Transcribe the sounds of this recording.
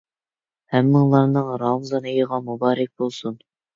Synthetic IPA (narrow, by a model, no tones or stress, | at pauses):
hɛmːɪŋlˠɑɾnɨŋɾɑmzɑnejəʁɑmubɑːɾɛk̚ʲbolˠsun